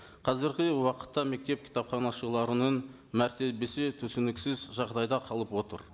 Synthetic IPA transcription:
qʰɑzɪɾɡʲɪwɑqə̥t̪ːɑme̞k̚t̪e̞p̚kʲʰi̥t̪ɑpχɑnɑʃəlˠɑɾənən | mæɾt̪e̞be̞set̪ʰɵsɪnɪksɪzʒɑʁd̪ɑjd̪ɑqʰɑlˠəpwo̞t̪ə̰ɾ

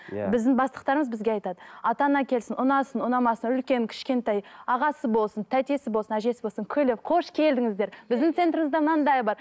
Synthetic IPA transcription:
bɪzd̪ɪŋbɑsˠəq̚t̪ɑɾəməzbɪzɡʲeɑjt̪ɑd̪əɑt̪ɑnɑkʲʰe̞lsɪnʔʊnɑsənʊnɑmɑsənʏlkʲe̞ŋkʲʰɪ̥ʃkʲe̞nt̪ɑjɑʁɑsəbo̞lˠsənt̪ʰæt̪e̞sɪbo̞lˠsənæʒe̞sɪbo̞lˠsəŋkʲʰɵlevqʰo̞ʃkʲʰe̞ld̪ɪŋɪzd̪e̞ɾbɪzd̪ɪŋt̪sent̪ɾɪmɪzd̪ɑmnɑnd̪ɑjbɑɾ

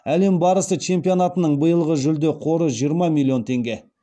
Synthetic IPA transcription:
æle̞mbɑɾəsət͡ʃʰe̞mpijo̞nat̪ənəɴbəjəlˠʁəʒʏld̪eqʰo̞ɾəʒijəɾmɑmʲilʲːio̞nt̪ʰe̞ŋɡʲe̞

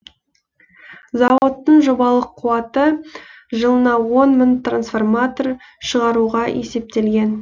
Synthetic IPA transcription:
zɑwot̪ːəɴʒobɑlˠəqʰːuɑt̪ə | ʒəlˠənɑwo̞nmʏnt̪ransfo̞rmat̪o̞r | ʃəʁɑɾuʁɑe̞se̞p̚t̪e̞lɡʲe̞n

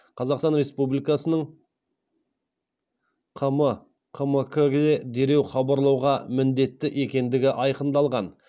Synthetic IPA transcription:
qʰɑzɑqst̪ɑnɾe̞spublijkɑsənəɴ | qʰəmə | qʰəməkʰəɡʲd̪ed̪e̞ɾe̞wχɑbɑɾlˠɑwʁɑmɪnd̪e̞t̪ːɪʔe̞kʲe̞nd̪ɪɡʲɪʔɑjqənd̪ɑlˠʁɑn

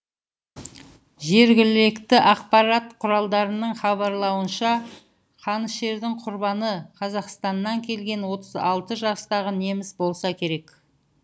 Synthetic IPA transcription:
ʒe̞ɾɡʲɪlekt̪ɪʔɑqpɑɾɑt̪qʰʊɾɑlˠd̪ɑɾənəɴχɑbɑɾlˠɑwənʃɑ | qʰɑnəsʃe̞ɾd̪ɪŋqʰʊɾbɑnəqʰɑzɑqst̪ɑnːɑŋkʲʰe̞lɡʲe̞nwo̞t̪əzɑlˠt̪əʒɑst̪ɑʁəne̞mɪsbo̞lˠsɑkʲʰe̞ɾe̞k

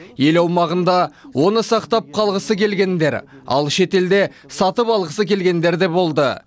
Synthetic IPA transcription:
je̞lɑwmɑʁənd̪ɑwʔo̞nəsɑqt̪ɑp̚qʰɑlˠʁəsəkʲe̞lɡʲe̞nd̪e̞ɾɑ̰lˠʃe̞t̪e̞ld̪e̞ | sɑt̪əpɑlˠʁəsəkʲʰe̞lɡʲe̞nd̪e̞ɾd̪e̞bo̞lˠd̪ə

